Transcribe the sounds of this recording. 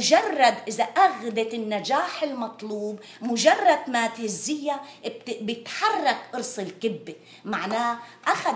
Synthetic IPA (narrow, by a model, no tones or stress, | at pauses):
ʒɑrˤːɑd̪ʔɪzaʔaɣd̪ɪtɪnːad͡ʒaːħɪlmɑt̪ˤluːb | mʊʒɑrˤːɑd̪maːt̪hɪzːɪjːa | t̪bjɪt̪ħɑrˤːɑkʔɨɾsˤɨlkɪbːe | maʕnaːʔaxa